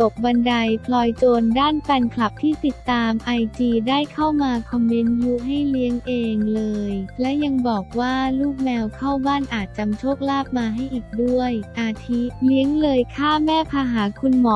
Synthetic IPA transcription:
t̪o˨˩k̚ba˧nda˧jpʰlɔː˧jt͡ɕoː˧ndaː˥˩npɛ˧nkʰla˨˩p̚t̪ʰiː˥˩t̪i˨˩t̪ːaː˧mʔa˧jt͡ɕiː˧daː˥˩jkʰa˥˩wmaː˧kʰɔ˧mːi˦˥nju˦˥ʔɦa˥˩jli˦˥əŋʔeː˧ŋlɤː˧jlɛ˦˥ja˧ŋbɔː˨˩k̚waː˥˩luː˥˩k̚mɛː˧wkʰa˥˩wbaː˥˩nʔaː˨˩t̪̚t͡ɕa˧mt͡ɕʰoː˥˩k̚laː˥˩p̚maː˧ɦa˥˩jʔiː˨˩k̚du˥˩əjʔaː˧t̪ʰi˦˥li˦˥əŋlɤː˧jkʰaː˥˩mɛː˥˩pʰaː˧ɦaː˩˦kʰu˧nmɔː˩˦

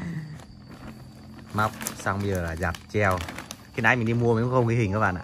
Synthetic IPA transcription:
ma˦˥wk͡p̚saː˧wŋ͡mmi˧əː˨˩laː˨˩zaː˨˩p̚t͡ɕɛ˧w | xnaː˧˦jmï˨˩ŋɗi˧mu˧əm˨˩˦kxə˧ŋ͡mki˧hï˨˩ŋ̟ka˧ɓa̰ː˧˨nʔa̰ː˧˨

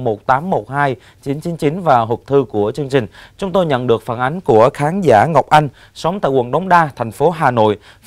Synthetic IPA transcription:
mo˨˩t̚t̪aː˨˦mːo˨˩t̚haː˧j | t͡ɕi˨˦nt͡ɕi˨˦nt͡ɕi˨˦nvaː˨˩ɦʊ˨˩k͡p̚t̪ʰɨ˧ku˧˩ət͡ɕɨ˧əŋt͡ɕï˨˩ŋ̟t͡ɕʊ˨˦ŋ͡mt̪o˧jɲə̰˧˨nɗɨ˨˩ək̚faː˧˩nʔa˨˦jŋ̟ku˧˩əxaː˨˦nzaː˧˩ŋa˨˩wk͡p̚ʔa˧jŋ̟ | sə˨˦wŋ͡mt̪a̰ː˧˨jkwə˨˩nɗə˨˦wŋ͡mɗaː˧t̪ʰɛ˨˩jŋ̟fo˨˦ɦaː˨˩no̰˧˨j

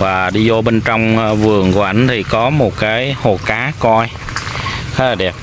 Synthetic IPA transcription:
vaː˨˩ɗi˧zo˧ɓe˧nt͡ɕɔ˧wŋ͡mvɨ˨˩əŋkṵ˧˦ʔa˧˩ŋ̟t̪ʰi˨˩kɔ˨˦mo˨˩t̚kaː˨˦jho˨˩kaː˨˦kɔ˧j | t̪ʰe˨˦laː˨˩ɗɛ˨˩p̚

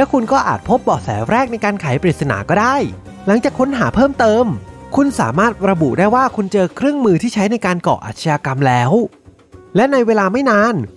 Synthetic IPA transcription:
lɛ˦˥kʰu˧nkɔː˥˩ʔa̰ː˨˩t̪̚pʰo˦˥p̚bɔː˨˩sɛ̰ː˩˦wɾɛː˥˩k̚na˧jkaː˧nkʰaː˩˦jpɾi˨˩t̪sa˧na̰ː˩˦kɔː˥˩daː˥˩j | la˨˩˦ŋt͡ɕaː˨˩kʰːo˦˥nɦaː˩˦pʰɤː˥˩mt̪ɤː˧mkʰu˧nsa̰ː˩˦maː˥˩t̪̚ɾa˧bu˨˩daː˥˩jwaː˥˩kʰu˧nt͡ɕɤː˧kʰɾɯ˥˩əŋmɯː˧t̪ʰiː˥˩a˦˥jna˧jkaː˧nkɔ̰ː˨˩ʔa̰ː˨˩sʰa˧jaː˧ka˧mlɛː˦˥w | lɛ˦˥na˧jweː˧laː˧ma˥˩jnaː˧n

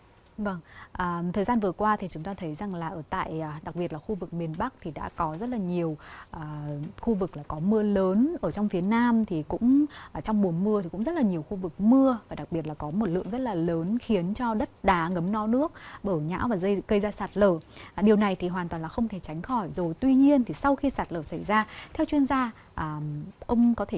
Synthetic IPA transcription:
va˧˩ŋʔəː˨˩t̪ʰəː˨˩zaː˧nvɨ˨˩əkwaː˧t̪ʰi˨˩t͡ɕʊ˨˦ŋ͡mt̪aː˧t̪ʰə˨˦jza˨˩ŋlaː˨˩ʔəː˧˩t̪a̰ː˧˨jɗa˨˩k̚ɓi˨˩ət̚laː˨˩xu˧vɨ˨˩k̚mi˨˩ənɓa˦˥k̚t̪ʰi˨˩ɗa̰ː˧˥kɔ˨˦zə˦˥t̚laː˨˩ɲi˨˩əwʔaː˨˩xu˧vɨ˨˩k̚laː˨˩kɔ˨˦mɨ˧ələː˨˦nʔəː˧˩t͡ɕɔ˧wŋ͡mfi˨˦ənaː˧mt̪ʰi˨˩kʊ̰˧˥ŋ͡mt͡ɕɔ˧wŋ͡mɓu˨˩ənmɨ˧ət̪ʰi˨˩kʊ̰˧˥ŋ͡mzə˦˥t̚laː˨˩ɲi˨˩əwxu˧vɨ˨˩k̚mɨ˧əvaː˨˩ɗa˨˩k̚ɓi˨˩ət̚laː˨˩kɔ˨˦mo˨˩t̚lɨ̰˧˨əŋzə˦˥t̚laː˨˩ləː˨˦nxi˨˦ənt͡ɕɔ˧ɗə˦˥t̚ɗaː˨˦ŋə˨˦mnɔ˨˦nɨ˦˥ək̚ɓəː˧˩ɲa̰ː˧˥wvaː˨˩zə˧ɣə˧jzaː˧saː˨˩t̚ləː˧˩ɗi˨˩əwna˨˩jt̪ʰi˨˩ɦwaː˨˩nt̪wa˨˩laː˨˩xə˧wŋ͡mt̪ʰe˧˩t͡ɕa˨˦jŋ̟xɔ˧˩jzo˨˩jt̪wi˧ɲi˧ənt̪ʰi˨˩sa˧wxi˧saː˨˩t̚ləː˧˩sa˧˩jzaː˧t̪ʰɛ˧wt͡ɕwi˧ənzaː˧ | ʔəː˨˩ʔə˧wŋ͡mkɔ˨˦t̪ʰe˧˩

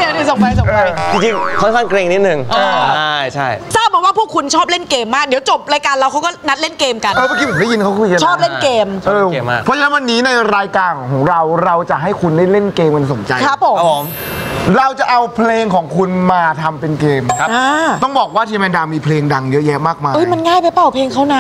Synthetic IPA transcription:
di˨˩˦diː˧˩so˨˦pa˧jso˨˩ɤpa˧˦jt͡ɕi˧ŋt͡ɕi˧ŋkʰɔ˥˩nkʰaː˥˩nkɾe˧ŋni˦˥t̪̚nɯ˨˩ŋʔaː˧a˥˩˥jt͡ɕʰa˥˩jsaː˥˩ɔː˨˩waː˥pʰu˥˩əkʰu˧nt͡ɕʰɔː˥˩p̚le˥˩nkeː˧mːaː˥˩k̚di˩˦wt͡ɕo˨˩p̚ɾaː˧jkaː˧nɾa˧wkʰa˦˥wkɔː˥˩na˦˥t̪̚le˥˩nkeː˧mka˧nʔɤː˧maː˧˩ki˧mʰ˨˩˦mda˥˩ji˧nkʰa˦˥kʰuː˧jka˧t͡ɕʰɔː˥˩p̚le˥˩nkeː˧mʔɤː˧˥˩pʰɔ˦˥t͡ɕa˧nɛ˦˥wa˧nːiː˦˥na˧jɾaː˧jkaː˧nkʰɔː˩˦ŋɾa˧wɾa˧wt͡ɕa˨˩ɦa˥˩jkʰu˧nda˥˩jle˥˩nkeː˧mka˧nso˩˦nt͡ɕa˧kʰɾa˦˥pʰːo˨˩˦m˩˦m | ɾa˧wt͡ɕa˨˩ʔa˧wpʰleː˧ŋkʰɔː˩˦ŋkʰu˧nmaː˧t̪ʰa˧mpe˧nkeː˧m˦aː˧t̪ɔ˥˩ŋbɔː˨˩k̚waː˥˩t̪ʰiː˧mɛː˧ndaː˧miː˧pʰleː˧ŋda˧ŋjɤ˦˥ʔjɛ˦˥ʔmaː˥˩k̚maː˧ʔɤ˦˥˩jma˧nŋaː˥˩jpa˧jpa˨˩wpʰleː˧ŋkʰa˥˩wna˦˥

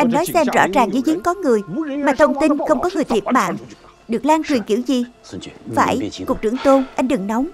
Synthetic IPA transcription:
ʔa˧jŋ̟nɔ˨˦jsɛ˧mzɔ̰˧˥zaː˨˩ŋzɨ̰˧˥zi˨˦əŋkɔ˨˦ŋɨ˨˩əjmaː˨˩t̪ʰə˧wŋ͡mt̪i˧nxə˧wŋ͡mkɔ˨˦ŋɨ˨˩əjt̪ʰi˨˩p̚ma̰ː˧˨ŋ | ɗɨ˨˩ək̚laː˧ŋt͡ɕwi˨˩ənki˧˩əwzi˨˩va̰ː˧˩jkk̚t͡ɕɨ̰˧˩əŋt̪o˧nʔa˧jŋ̟ɗɨ˨˩ŋnɔ˨˦wŋ͡m

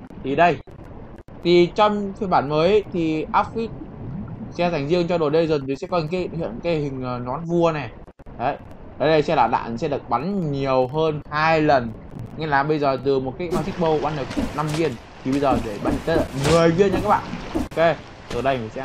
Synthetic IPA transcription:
t̪ʰi˨˩ɗə˧j | t̪ʰi˨˩t͡ɕɔ˧wŋ͡mʰi˧ɓaː˧˩nməː˨˦jt̪ʰi˨˩ʔaː˦˥p̚fi˦˥t̚ | sɛ̰˧˥za˨˩jŋ̟zɨ˧əŋt͡ɕɔ˧ɗo˨˩ɗə˧jzə˨˩t̪sɛ̰˧˥kɔ˧ɲ˨˧˦ka˨˦hḭ˧˨ən˨˧kaː˨˦jhï˨˩ŋ̟ː˨˩nɔ˨˦nvu˧ənɛ˨˩ | ɗə˨˦j | ɗo˨˩jɗə˧˩jsɛ̰˧˥laː˨˩ɗa̰ː˧˨n˨sɛ̰˧˥ɗɨ˨˩ək̚ɓa˨˦nɲi˨˩əwɦəː˧nhaː˧jlə˨˩n | ŋɛ˧˩laː˨˩ɓə˧jzəː˨˩t̪ɨ˨˩mo˨˩t̚kaː˨˦jmaː˧˩t̪i˦˥k̟̚ɓə˧wɓa˧nɗə˨˩k̚na˧mvi˧ən | t̪ʰi˨˩ɓə˧jzəː˨˩ɗe˧˩ɓa˧jɲ˧t̪ə˦ə˧˨ŋɨ˨˩əjvi˧ənɲa̰˧kaː˦˥ɓa̰ː˧˨n˧˨˧ke˧ | t̪ɨː˨˩ɗə˧jm˨˩sɛ̰˧˥

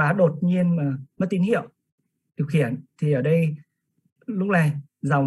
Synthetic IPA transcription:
vaː˨˩ɗo˨˩t̚ɲi˧ənmaː˨˩mə˦˥t̪i˨˦nhḭ˧˨əw | ɗi˨˩əwxi˧˩˨ənt̪ʰi˨˩ʔəː˧˩ɗə˧j | lʊ˦˥k͡p̚na˨˩j | za˨˩wŋ͡m

